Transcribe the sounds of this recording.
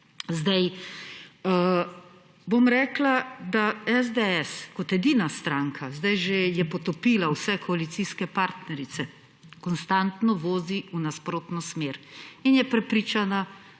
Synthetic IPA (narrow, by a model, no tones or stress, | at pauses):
zd̪aj | bomɾɛːklad̪aɛzd̪eɛskɔt̪ɛd̪iːnast̪ɾaːŋkʰazd̪ajʒejɛpɔt̪ɔpiːlawsɛkʰɔalit̪siskɛpaːɾt̪nɛɾit̪sɛ | kɔnst̪ant̪nɔʋoːziunaspɾoːt̪nɔsmeːɾinjɛpɾɛpɾiːt͡ʃana